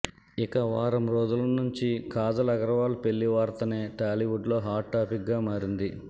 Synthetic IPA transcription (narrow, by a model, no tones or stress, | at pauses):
ikɐʋaːɾɐmɾoːd͡ʒ̪ulɐnuɲt͡ʃikaːd̪ɐlɐɡɐɾɐʋaːlupe̞lːiʋaːɾt̪ɐne̞ːʈaːliʋuɖlo̞ːɦaːʈʈːaːpikɡaːmaːɾind̪i